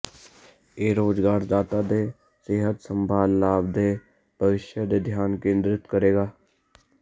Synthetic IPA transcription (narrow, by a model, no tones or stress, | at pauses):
eːɾoːd͡ʒɡaːɾd̪aːt̪aːd̪eː | seːɦət̪səmbʱaːlːaːb̚d̪eː | bʱəʋɪʃjəd̪eːd̪ʱjaːnkẽːnd̪ɾɪt̪kəɾeːɡaː